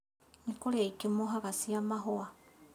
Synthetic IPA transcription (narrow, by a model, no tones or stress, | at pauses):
ɲikoɾeikemoɦakasiamaɦoa